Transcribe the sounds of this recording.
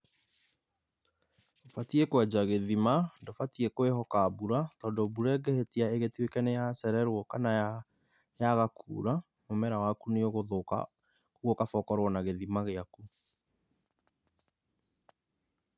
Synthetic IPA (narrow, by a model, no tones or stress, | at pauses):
ofatiekwad͡ʒaɣeðimandofatiekoeɦɔkabuɾatɔːndobuɾɛɡɛhetiaeɣetwekɛnejasɛɾɛɾwɔkana | jaɣakʰṵːɾa | momɛɾawakuneoɣoðoka̰ | kuɣɔkafɔkɔɾwɔnaɣeðimaɣeaku